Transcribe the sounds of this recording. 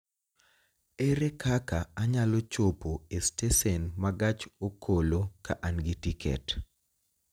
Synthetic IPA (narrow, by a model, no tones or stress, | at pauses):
eɾekʰakaaɲalɔt͡ʃopoestesɛnmaɡat͡ʃokʰoloka̰ʔanɡitikʰɛ̰t